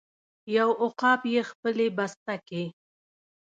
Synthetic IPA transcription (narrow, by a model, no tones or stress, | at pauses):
jawʊqɑpjexpəlebast̪ake